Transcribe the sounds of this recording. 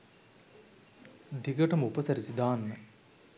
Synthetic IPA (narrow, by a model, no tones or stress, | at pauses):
d̪iɡəʈɐmupəsɐɾisid̪aːnːə